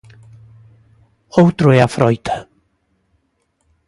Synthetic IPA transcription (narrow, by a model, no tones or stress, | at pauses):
owt̪ɾʊeafɾɔjt̪ʰḁ